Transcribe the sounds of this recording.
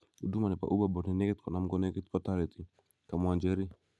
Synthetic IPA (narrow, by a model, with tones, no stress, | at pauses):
u˨du˦ma˨nɛ˨pa̰ʔu˦babɔ˨nɛ˨nɛ˦kɛ˦t̪kɔ˨na˦m̩˦ɡɔ˦nɛkɛt̪pataɾɛt̪i | ka˨mwand͡ʒɛ˦ɾi˦